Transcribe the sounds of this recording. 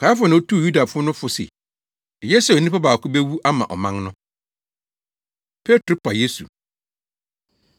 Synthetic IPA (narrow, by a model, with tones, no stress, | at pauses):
kʰa˨˦fʊ˦nã˨˦o˦tʰu˦˨ju˦da˨fʊ˦ɔ˦nʊ̃˦fʊ˨sḛ˨ | je˦snĩ˦pa˦baː˨kʊ˦be˦wu˦ʔa˦mã̰˨ʔɔ̰˨mã˦ŋnʊ̃˦ | pʰe˦tʰɾʊ˦pʰa˨je˦sṵ˨